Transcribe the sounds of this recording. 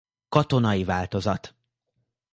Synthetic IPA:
kɒt̪o̞nɒjivaːlt̪o̞zɒt̪

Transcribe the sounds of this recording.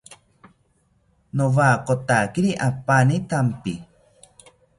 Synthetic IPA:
novakot̪akiɾiʔapanit̪ampi

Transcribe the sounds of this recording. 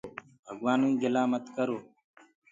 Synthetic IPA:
bʱɐɡwaːnũĩːɡɪlaːmət̪kəɾoː

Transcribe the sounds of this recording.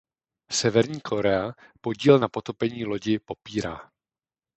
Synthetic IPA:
sɛvɛɾɲiːkʰo̞ɾɛapo̞ɟiːlnapo̞t̪o̞pɛɲiːlo̞ɟɪpo̞piːɾa̰ː

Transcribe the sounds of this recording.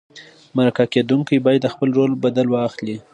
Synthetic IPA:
maɾakaked̪uŋkijbɑjad̪ːəxpəlɾolbad̪alwɑxli

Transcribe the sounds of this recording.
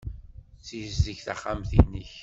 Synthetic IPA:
t͡sːizzəçθaχːamθinːiç

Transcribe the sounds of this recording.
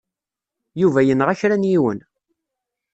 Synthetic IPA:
juvæjənʁæçɾænjiwə̰n

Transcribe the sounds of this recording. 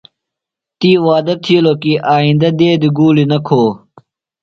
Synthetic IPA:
t̪iːwaːd̪ɐt̪ʰiloːkiʔaːĩnd̪ɐd̪eːd̪iɡuːlinɐkʰoː

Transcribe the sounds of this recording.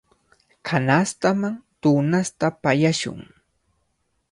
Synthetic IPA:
kʰanast̪amaŋt̪unast̪apajaʃʊ̰ŋ

